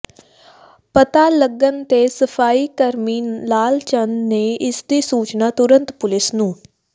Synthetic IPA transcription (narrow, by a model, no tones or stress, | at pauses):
pət̪aːləɡənt̪eːsəpʰaːiːkəɾmiːnlaːlt͡ʃənːeːʔɪsd̪iːsuːt͡ʃnaːt̪ʊɾə̃nt̪pʊlɪsnũː